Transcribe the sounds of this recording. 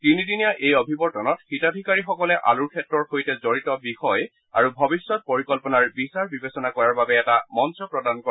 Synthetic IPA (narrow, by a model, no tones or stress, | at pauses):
tinidinijaʔejɔbʱibɔɹtɔnɔtxitadʱikaɹixɔkɔlɛʔa̰luɹkʰɛtɹɔɹxojtɛzoɹitɔbixɔj | a̰ɹubʱɔbisːɔt̚poɹikɔlpɔnaɹbisaɹbibesɔnakɔɹaɹbabɛːtamɔnsɔpɹɔdankɔ